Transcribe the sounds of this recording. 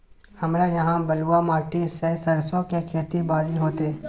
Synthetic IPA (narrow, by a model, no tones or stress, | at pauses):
hɐmɾejɐɦãbɐluamaːʈisesɐɾsõkekʰeːt̪ibaːɾiɦoːt̪e